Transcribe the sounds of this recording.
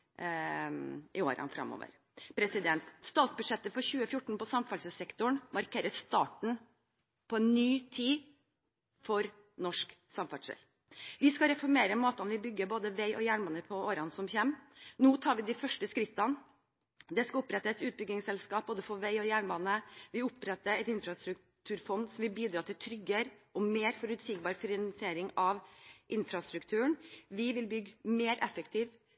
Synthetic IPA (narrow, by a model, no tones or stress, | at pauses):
ʔɪoːɾɑ̰nfɾɑ̰mːɔ̰ːʋə̰ɾ | pʰɾɛsɪd̪ɛnt̪st̪ɑːt̪sbʉd̪ʂɛt̪ːəfɔɾçʉːəfjʊʈɳ̩pɔsɑmfɑʂəsɛkt̪ʊɳmɑɾkʰeːɾəst̪ɑːʈɳ̩ | pʰɔɛnnyːt̪ʰiː | fɔɾ | nɔʂksɑmfɑʈʂɛ̰l | ʋɪskɑɾɛfɔɾmeːɾəmoːt̪ɑnʋɪbʏɡːəboːd̪əʋæɪʔɔjæːɳbɑːnəpʰɔoːɾɑnsɔmçɛːmnuːt̪ʰɑːɾʋɪd̪ɪfœʂʈəskɾɪt̪ːɑn | d̪ɛskɑʊpɾɛt̪ːəsʉːt̪̚bʏɡɪŋsɛlskɑːp̚boːd̪əfɔʋæɪɔjæːɳbɑːnəʋɪʊpɾɛt̪ːəɾɛt̪ɪnfɾɑst̪ɾʉk | t̪ʰʉːɾfɔnd̪sɔmʋɪlbiːd̪ɾɑːt̪ʰɪlt̪ʰɾʏɡəɾʔɔmeːɾfɔɾʉt̪sɪkbɑːɾfɪɾnnɑnsɪeːɾɪŋɑʋʔɪnfɾɑst̪ɾʉkt̪ʰʉːəɳʋɪʋɪlbʏɡmeːɾʔɛfəkt̪ʰiːʋ